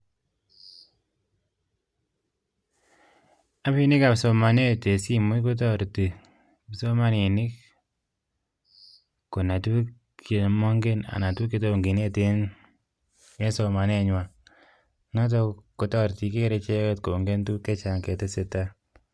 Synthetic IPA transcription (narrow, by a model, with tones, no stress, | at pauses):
a˦pi˦nɪ˦ka˨pso˧ma˨ne˦te˨si˦mu˦tko˦t̬ɔ˦˨ɾti˨ | pso˦ma˦ni˨nɪ˦k | ko˨na˨tu˦ | ke˨mɔ˦ŋɡe˦na̰˨na˨tu˦kːe˦to˦˨ŋɡi˨ne˦te˦n | e˦so˨˧ma˨ne˦˨ɲwa˨ | nɔ˦t̬ɔ˧ko˨˦tɔ˦ɾti˨ke˦ɾe˧t͡ʃe˦ke˦tko˨ŋɡe˦ntu˦ke˦t͡ʃa˨ŋkɛ˨te˦se˨ta˦